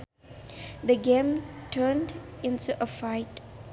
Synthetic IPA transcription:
d̪əɡẽmtʰəːndɪ̃ntuʔəfaɪt

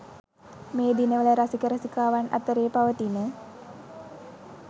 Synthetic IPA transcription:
meːd̪inəʋələɾasikəɾasikaːʋana̰t̪əɾeːpaʋət̪inə

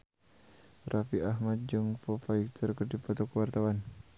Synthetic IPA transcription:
rʔafiaɦmat̪̚d͡ʒɔŋpɔfaik̚t̪ərkədipɔt̪ɔkəwart̪awan

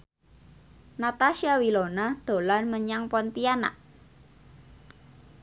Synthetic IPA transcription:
nat̪aʃiawilonad̪̥o̤larməɲaŋpɔnt̪iana̰ʔ

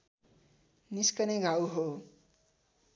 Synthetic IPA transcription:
niskʌneɡʱawɦo

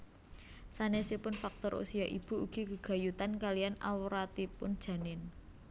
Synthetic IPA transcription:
sanesipʊnfak̚t̪ɔɾʔṵsiaʔḭb̥uuɡ̥i̤kəɡ̥a̤jut̪ankalijana̰wɾat̪ipʊ̰nd̥ʒ̥ä̤nɪn

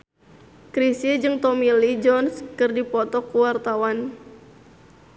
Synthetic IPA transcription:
kɾisid͡ʒɨŋt̪ɔmilid͡ʒɔnskɨrdipɔt̪ɔkuwart̪awan

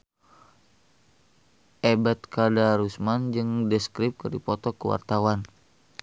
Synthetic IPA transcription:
ʔebat̪kadaɾusmand͡ʒɨŋdɛskɾip̚kɨrdipɔt̪ɔkəwa̰rt̪awan

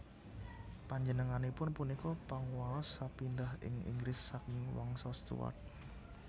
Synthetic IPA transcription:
paɲd͡ʒənəŋanepʊnpunikɔpaŋualɔsapindahɪ̰ŋḭŋɡɾɪsːakiwɔ̰ŋsɔst̪ṵwa̰t̪̚

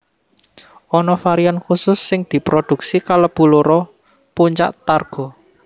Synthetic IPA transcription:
ʔɔnɔfaɾiankusʊsːɪŋd̪̥i̤pɾod̪̥ṳk̚sikaləpuluɾɔ | puɲt͡ʃa̰ʔt̪arɡ̥ɔ̤

